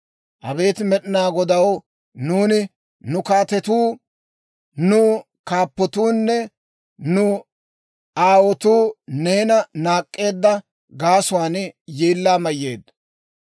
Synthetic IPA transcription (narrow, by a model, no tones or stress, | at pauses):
ʔɐ̰be̞ːt̪ɪmɛɗɪnaːɡɔd̪ɐw | nuːnɪ | nʊkaːt̪ɛt̪uː | nʊ | kaːpːɔt̪uːnːɛ | nʊ | aːwɔt̪uːne̞ːnɐnaːkʼːe̞ːd̪ːɐ | ɡaːsʊwaːnjeːlːaːmɐjːe̞ːd̪